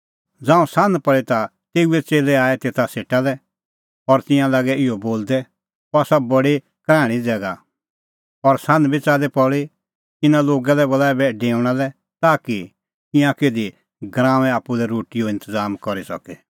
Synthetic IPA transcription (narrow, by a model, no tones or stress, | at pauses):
d͡zãːũsãnd̪pɐɭit̪a | t̪eːuɛt͡seːlɛaːɛt̪eːt̪ʰaseːʈalɛ | ɔɾt̪ɪ̃jãlaːɡɛɪoboːld̪ɛ | ɔasabɔɽi | kɾɛ̃ːɽ̃id͡zɛːɡa | ɔɾsãnd̪bʱit͡saːd̪ɛpɔɭi | t̪ɪnãloːɡalɛbɔlaːɛbɛɖeːʊ̃ɽ̃alɛ | t̪aːki | t̪ɪ̃jãkeːd̪i | ɡɾãːʋɛ̃aːpːulɛɾoːʈijoɪ̃nt̪əzaːmkɔɾisɔ̰kɛ